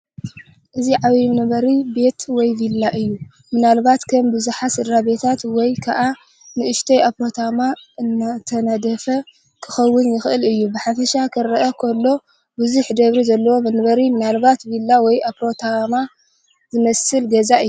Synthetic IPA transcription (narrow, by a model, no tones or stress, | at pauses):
ʔɨziʕaβimɨnɐβɐɾibe̞t̪wɔjvilːaʔɨjːu | mɨnalbat̪kʰɐmbɨzuħasɨd̪ɾabe̞t̪ʰat̪wɔjkʰaʔa | nɨʔɨʃt̪ʰɐjapɾo̞t̪ʰamaʔɨnːat̪ʰɐnad̪ɐfɐ | kʰɨxɐwːʊnjɪxʔɨlɨjːubɨħafɐʃakʰɨɾɐʔɐkʰolːo̞ | bɨzuħd̪ɐβɾizɐlːɐwo̞mɨnɐβɐɾimɨnalbat̪vilːawɔjapɾo̞t̪ʰama | zɨmɐsɨlɡɐzaʔɨjːu